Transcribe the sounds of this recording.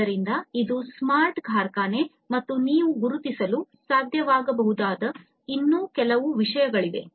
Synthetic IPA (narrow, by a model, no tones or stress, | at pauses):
ɐɾind̪ɐid̪usmaːɾʈɡʱaːɾkaːne̞ | mɐt̪ːuniːʋuɡuɾut̪isɐlusaːd̪ʱjɐʋaːɡɐbɐɦud̪aːd̪ɐ | inːuːkɛlɐʋuʋiʂɐjɐɡɐɭid̪e̞̰